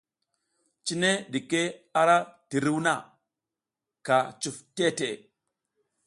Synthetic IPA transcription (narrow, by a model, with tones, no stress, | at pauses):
t͡ʃi˦ne˦ɗi˨ke˦a˦ɾa˦ti˨ɾi˦wna˦˨ | ka˨t͡ʃu˨fte˦te˨